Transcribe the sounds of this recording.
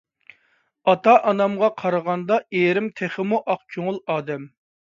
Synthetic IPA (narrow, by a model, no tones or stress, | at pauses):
ɑt̪ʰɑʔɑnɑmʁɑqʰɑɾəʁɑnd̪ɑeɾɪmt̪ʰeχɪmuʔɑq̚kʲʰøŋʊlˠɑːd̪ɛm